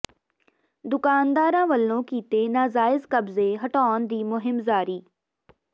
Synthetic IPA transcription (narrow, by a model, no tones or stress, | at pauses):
d̪ʊkaːnd̪aːɾãːʋəlːõːkiːt̪eːnaːzaːɪzkəbzeːɦəʈaːnd̪iːmʊɦɪmzaːɾiː